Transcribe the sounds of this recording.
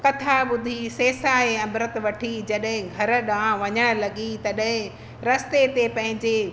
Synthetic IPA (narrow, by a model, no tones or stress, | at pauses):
kɐt̪ʰaɓʊd̪ʱiseːsaɦeɐmɾət̪ʋɐʈʰid͡ʑɐɗɦɪ̃ɡʱɐɾə̆ɗãʋɐɲəɽ̃ə̆lɐɠit̪ɐɗɦɪ̃ | ɾɐst̪et̪epɐ̃ɦɪ̃ɲd͡ʑe